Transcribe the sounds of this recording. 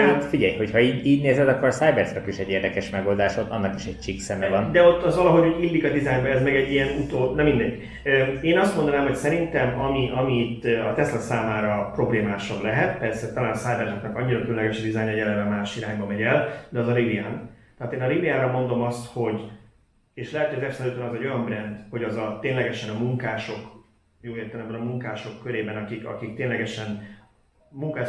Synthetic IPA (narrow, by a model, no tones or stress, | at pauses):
at̪fiɟɛjho̞chɒiːɟiːɟneːzɛd̪ɒkːoɾsaːjbɛrznɛkiʃɛɟːeːrd̪ɛkɛʃmɛɡo̞ld̪aːʃot̪ɒ̰nːɒki̥ʃɛc̚t͡ʃiksɛmɛvɒnd̪ɛot̪ːɒzʋɒlɒɦo̞ɟoɟilːikɒd̪izaːjbɛɛzmɛɡɛɟːijɛnut̪oːbnɛmind̪ɛɟːi | øːeːnɒst̪mo̞nd̪ɒnaːmho̞csɛɾint̪ɛmɒmiʔɒmit̪ːɒt̪ɛslɛsaːmaːɾɒpro̞bleːmaːʃɒblɛɦɛt̪̚pɛrsɛt̪ɒlaːnɒsaːjbɛrzoknɛkɒɲːiɾɒkylønlɛɡɛʃd̪izaːjɲɒjɛlɛɾɛmaːʃiɾaːɲbɒmɛɟɛld̪ɛɒzɒlibiaːnt̪ɛɦaːt̪eːnɒlibijaːɾɒmo̞nd̪o̞mɒst̪ho̞ɟ | eːʃlɛɦɛt̪ojɒzɛfsɛløːt̪ønɒzɛɟo̞jɒmbrɛnd̪ho̞ɟɒzɒt̪eːnlɛɡɛʃɛnɒmuŋkaːʃo̞k | joːeːrt̪ɛlɛmbɛnɒmuŋkaːʃo̞kːøɾeːbɛnɒkikɒ̰kik̚t̪eːnlɛɡɛʃɛn | muŋkaːʃ